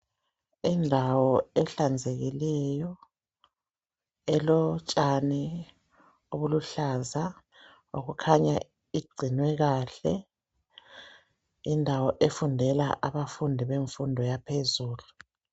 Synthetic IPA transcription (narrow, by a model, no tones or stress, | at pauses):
indʱawɔɛɬand͡zʱeɣilɛjɔ | ɛlɔt͡ʃʼani | oβuluɬaza | oɣukʰaɲa | iɡ͡ǀʱinwɛɣaːɬɛ | indʱawɔʔefundʱɛla̰ʔaβafundʱiβeɱfundʱɔjapʰezuːlu